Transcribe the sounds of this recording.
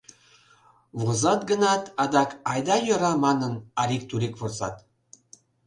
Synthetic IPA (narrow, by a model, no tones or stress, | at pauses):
βozɑt̪̚ɡənɑt̪ɑd̪ɑkɑjd̪ɑjɤɾɑmɑnənɑɾik̚t̪uɾekvorzɑ̰t̪